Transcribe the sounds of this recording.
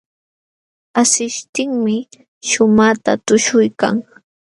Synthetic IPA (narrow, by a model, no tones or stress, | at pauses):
asɪʃt̪ɪŋmɪ | ʃʊmat̪a̰t̪ʊʃʊjka̰ŋ